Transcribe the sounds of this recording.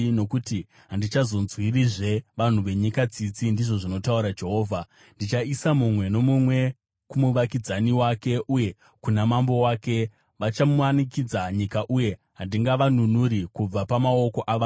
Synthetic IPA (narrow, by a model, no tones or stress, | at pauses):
no̞kuti | ɦandit͡ʃazo̞nzwiriʐe̞ʋan̤uʋe̞ɲikat͡sit͡sindiʐo̞ʐino̞tauɾad͡ʒe̞ɦo̞ːvʱa | ndit͡ʃaisamumwe̞no̞mumwe̞ | kumuʋakid͡zaniwake̞ʔuje̞ | kunamambo̞waːke̞ | ʋat͡ʃamuwanikid͡zaɲikaʔuje̞ | ɦandiŋɡaʋanunuɾikub͡vapamao̞ko̞ʔaʋa